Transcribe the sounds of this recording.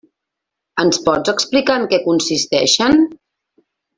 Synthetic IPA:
ənspɔd͡zəksplikaəŋkɛkunsist̪ɛʃən

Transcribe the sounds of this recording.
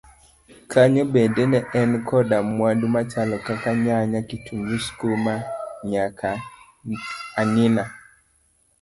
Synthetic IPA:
kʰaɲɔbedenɛʔɛnkʰɔdamwadumat͡ʃalɔkakaɲaɲakitʰuŋɡuskomaɲakʰa | nɪna

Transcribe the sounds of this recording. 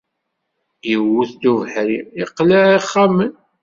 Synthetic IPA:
jəwuθd̪uvəħɾiiqlaʕaχːamən

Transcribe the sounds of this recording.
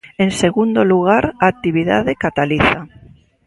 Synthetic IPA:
enseɣund̪oluɣ̞aɾaːk̚t̪iβ̞iða̰ðekat̪aliθa

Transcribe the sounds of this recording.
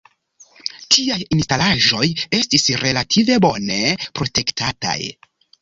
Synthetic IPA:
tʰiajinstalaʒo̞je̞stisɾe̞latʰive̞bo̞ne̞pɾo̞te̞ktʰata̰j

